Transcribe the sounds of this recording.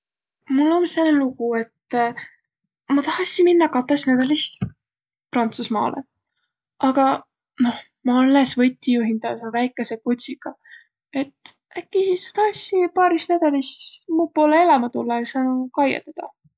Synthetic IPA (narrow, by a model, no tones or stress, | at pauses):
mulːomsenelukue̞t̪ː | mɑt̪ɑhɑsiminːɑkɑt̪ːˑesnæd̪ɑlis | prɑnt̪susmɑ̰ːlḛ | ʔɑɡ̥ɑ | no̞h | mɑɑlːesvɤ̞t̪ʲːijuɦind̪̥ɑsvæjkːˑe̞sekut̪ʲsiɡ̥ɑ | e̞t̪ː | ækːˑisisːed̪ɑɑsʲːipɑːɾisnæd̪̥ɑlismuːpo̞ːleelɑmɑt̪ulːɑjsɑːnukɑjḛt̪ːˑɑd̪̥ɑ